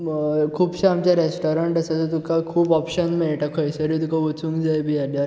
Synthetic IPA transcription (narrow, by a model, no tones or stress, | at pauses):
kʰuːbɕaamt͡ɕjaɾesʈɔɾəɳʈasat͡sət̪ukakʰuːbɔpɕənmeɭʈakʰɔjsəɾiːt̪ukaut͡sũŋkd͡zajbʱijad̪jaɾ